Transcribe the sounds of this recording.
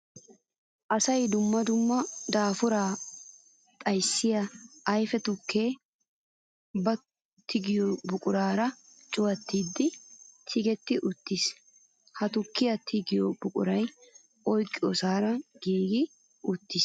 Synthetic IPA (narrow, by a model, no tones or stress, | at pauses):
ʔɐsɐjd̪ʊmːɐd̪ʊmːɐd̪aːfʊɾaː | t̪ʼɐjsːɪjɐɐjfɛt̪ʊkːeː | bɐ | t̪ʰːɪɡɪjobʊkʼʊɾaːɾɐ | t͡ʃʼʊwɐt̪ːiːd̪ːɪt̪ʰɪɡɛt̪ːɪʔʊt̪ːɪs | hɐt̪ʊkːɪjɐt̪ʰɪɡɪjɔbʊkʼʊɾɐj | ɔjkʼːɪɔsaːɾɐɡ̥iːɡɪ | ʊt̪ːɪs